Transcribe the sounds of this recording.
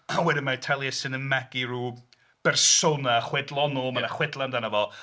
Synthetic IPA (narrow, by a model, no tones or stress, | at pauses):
awɛdɪnmaɪtʰɛlˠjɛsɨnənmaɡiɾuː | b̥ɛrsonaχwɛdlˠɔnomanaχwɛdlˠandanəvɔlˠ